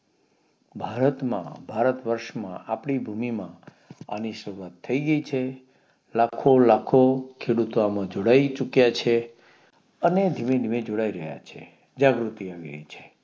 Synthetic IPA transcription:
bʱaɾət̪mã̰bʱaɾət̪ʋəɾʃmã̰apɳibʱumimã | a̰niʃəɾuat̪ʰːəiɡəit͡ʃʰe | lakʰolakʰokʰeɽut̪oamãd͡ʒoɽait͡ʃukjat͡ʃʰe | əned̪ʱimed̪ʱimed͡ʒoɽaiɾəɦja̰t͡ʃʰḛ | d͡ʒaɡɾut̪iaʋḭɾə̰it͡ʃʰe̥

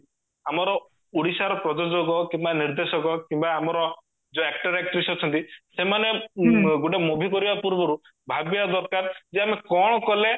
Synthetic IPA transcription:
amɔɾɔ | uɽisaɾɔpɾɔd͡ʒod͡ʒoɡɔkimbaniɾd̪esɔɡɔkimbaːmɔɾɔ | d͡ʒɔek̚ʈɔɾek̚ʈɾisɔt͡ʃʰɔnt̪isemaneɡoʈemobʱikɔɾibapuɾbɔɾu | bʱabjad̪ɔɾkaɾd͡ʒeamekɔɽ̃ɔkɔle

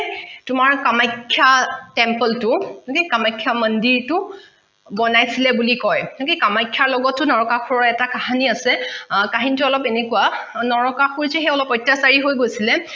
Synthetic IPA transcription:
tʊmaɹkamajkʰːjatɛmpəltʊnʊkekamajkʰːjaməndiɹtʊ | bɔnajsilɛbulikɔjnʊkekamajkʰːjaɹlɔɡɔtːʊnɔɹɔkaxʰuɹɔɛtakahaniasɛkaɦinituɔlɔpenekuwanɔɹɔkaxuɹzɛxejɔlɔpɔjtːasaɹiɦojɡojsilɛ

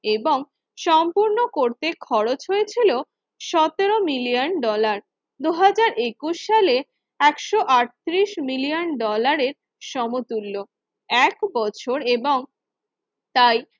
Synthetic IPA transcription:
eboŋ | ʃɔmpuɾnokoɾt̪ekʰɔɾot͡ɕɦojet͡ɕʰilo | ʃɔt̪eɾomilijanɖɔlaɾ | d̪uɦad͡ʑaɾʔekuʃːale | ɛkʃoʔaʈ̚t̪ɾiʃmilijanɖɔlaɾeɾ | ʃɔmot̪ulːo | ɛkbɔt͡ɕʰoɾeboŋ | t̪aj

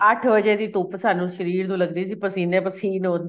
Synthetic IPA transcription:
əʈʰʋəd͡ʒeːd̪iːt̪oːpəsaːnũːʃəɾiːɾnũːləɡd̪iːsiːpəsiːnɛ̃ːpəsiːnõːnd̪

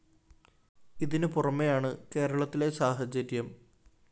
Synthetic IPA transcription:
iðinɨpurɐmːejaːɳɨke̞ːɾɐɭɐt̪ːile̞saːɦɐd͡ʑɐɾjɐm

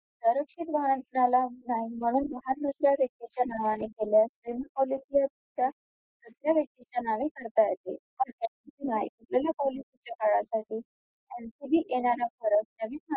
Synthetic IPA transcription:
səɾəkʂit̪ʋaɽənnalanaɦim̤əɽ̃uːnməɦaɾd̪usɾjaʋjək̚t̪it͡ɕanaʋaɽ̃ekeljasʋeməpɔlisljat̪ut̪ja | d̪̥usɾjaʋjək̚t̪it͡ɕanaʋekəɾt̪ajət̪ḛpəɳat̪inaɦḭkuʈleljapɔlisit͡ɕakəɭasaʈiː | anik̪ud̪ʱiːʔeɽ̃aɾafəɾək̪̚t̪jaʋiːa

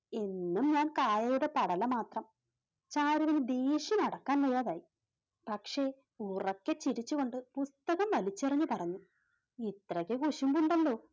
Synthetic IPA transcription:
e̞nːumɲaːnkaːjɐjuɽe̞pɐɽɐlɐmaːt̪rɐm | t͡ɕaːɾuʋinɨd̪eːʂinɐɽɐkːaːnʋɐjːaːðaːji | pɐkʂe̞ | urɐkːet͡ɕiɾit͡ɕːuɣo̞ɳɖɨpust̪ɐɣɐmʋɐlit͡ɕːerɐɲːupɐrɐɲːu | it̪rɐɣekuʂumkuɳɖɐlːo̞ː

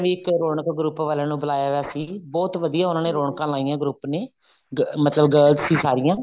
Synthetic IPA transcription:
ʋiːɪkɾoːɳəkɡɾuːpʋaːlãːnũːbəlaːjaːaːsiːbɔːt̪ʋəd̪ijãːʊnãːneːɾoːɳkãːlaːijãːɡɾuːpneː | mət̪ləbɡəɾlzsiːsaːɾɪjãː

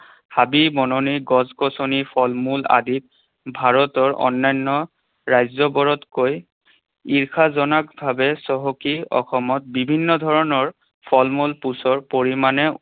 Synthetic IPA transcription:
habibɔnoniɡɔzkɔsonipʰɔlmula̰dit̚ | bʱaɹɔtɔɹɔ̰nːajnːɔ | ɹajzɔbɔɹɔtkoj | iɹkʰazɔnakbʱabɛsɔɦɔkiɔ̰xɔmɔt̚bibʱinːɔdʱɔɹɔnɔɹ | pʰɔlmulpusɔɹpoɹimanɛ

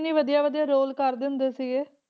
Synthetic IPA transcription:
nĩːʋəd̪ijaːʋəd̪ijaːɾoːlkəɾd̪ɪnd̪eːsɪɡeː

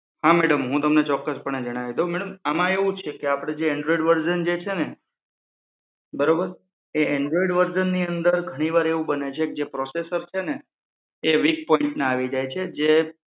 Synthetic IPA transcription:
hamɛɽəmɦũt̪əmnet͡ʃɔkːəspəɳed͡ʒəɽ̃aʋid̪omɛɽəmamãeʋũt͡ʃʰekeapɽ̃ed͡ʒeːɳɖɾɔiɖʋəɾd͡ʒənd͡ʒet͡ʃʰene | bəɾobəɾ | eeɳɖɾɔiɖʋəɾd͡ʒənːiənd̪əɾɡʱəɽ̃iʋaɾeʋũbənet͡ʃʰek̚d͡ʒepɾɔsesəɾt͡ʃʰeneː | ʋik̚pɔ̃iɳʈneaʋid͡ʒajt͡ʃʰed͡ʒe

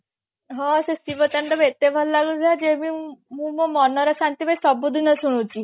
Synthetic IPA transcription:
ɦɔsesiʋət̪əɳɖɔbet̪ebʱallaɡud͡ʒʱad͡ʒemĩmũmɔmɔnɔɾesant̪ibajsɔbud̪ʱinəsuɽ̃ũt͡ʃi

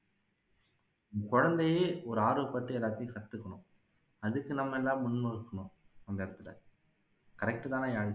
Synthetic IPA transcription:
kɔɻɐnd̪ɐjeːɔɾɯaːɾoɐpːɐʈːɯɛlːaːt̪ːɐjʊ̃kɐt̪ːɯkːɐɳʊ̃ | ɐðɯkːɯnɐmːɐɛlːaːmʊɳmɐɣɯkːɐɳʊ̃ | ɐnd̪ɐɪɽɯt̪ːɯlɐ̰ | kɐɾɛk̚ʈɯt̪ãːnaːjaːɻɪ

